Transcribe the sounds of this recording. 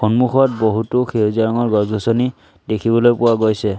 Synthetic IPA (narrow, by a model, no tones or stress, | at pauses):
xɔnmuxɔt̚boɦutoxʰezaɹɔŋɔɹɡɔzɡʱɔsɔni | dekʰibɔlojpʊwaɡojsɛ